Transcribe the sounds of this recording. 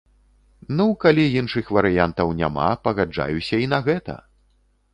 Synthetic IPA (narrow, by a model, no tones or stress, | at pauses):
nukalʲijinʂɨxvɐɾɨjant̪ɐwnʲa̰ma̰pɐɣad͡ʐa̰jusʲɐinɐɣɛt̪ɐ̰